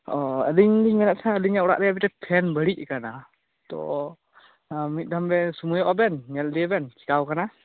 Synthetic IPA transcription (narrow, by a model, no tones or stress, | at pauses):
ɔə̰liŋdiŋɛlaʔsəliŋɛɔɾa̰ʔdɛabitɛpʰɛnbəɽiʔ̚kana | t̪ɔ̰ | mit̪̚ˀdʱambɛsumujɔʔɔbɛnŋɛldiabɛnki̥kawkana